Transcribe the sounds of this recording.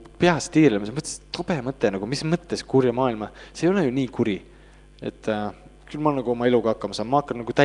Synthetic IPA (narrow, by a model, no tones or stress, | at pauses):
peɑst̪iːrlemɑsemɤt̪ːˑe̥st̪ob̥emɤt̪ˑːenɑɡ̥umismɤt̪ːeskurjɑmɑːilmɑseːjolejuniːkuɾi | e̞t̪ːkylmɑonɑɡ̥uo̞mɑe̞luɡ̥ɑɑkːɑmɑsɑːnmɑɑkːɑnnɑɡ̥ut̪æ